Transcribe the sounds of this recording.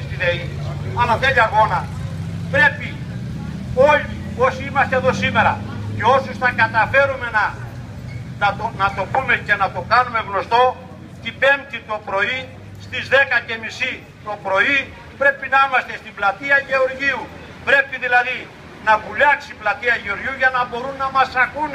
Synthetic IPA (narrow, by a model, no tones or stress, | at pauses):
st̪iðei | ɐlɐt̪ejɐɣo̞nɐ | pɾe̞pi | o̞ʎio̞siimɐst̪eðo̞sime̞ɾɐce̞o̞suznɐkɐt̪ɐfe̞ɾume̞nɐ | ɐt̪nɐt̪o̞pume̞ce̞nɐt̪o̞kɐnume̞ɣno̞st̪o̞ | t̪ipe̞mt̪it̪o̞pɾo̞i | st̪izðe̞kɐce̞misi | t̪o̞pɾo̞i | pɾe̞pinɐimɐst̪e̞st̪iblɐt̪iɐʝe̞o̞ɾʝiu | pɾe̞piðilɐði | nɐvuʎɐksiplɐt̪iɐʝeo̞ɾʝiuʝɐnɐbo̞ɾunːɐmɐsɐkun